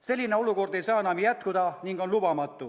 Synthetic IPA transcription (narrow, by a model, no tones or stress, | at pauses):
se̞lʲːine̞o̞luko̞rd̪e̞jsɑːenɑmjæt̪kud̪̥ɑniŋɡ̥o̞nlub̥ɑmɑt̪ːˑu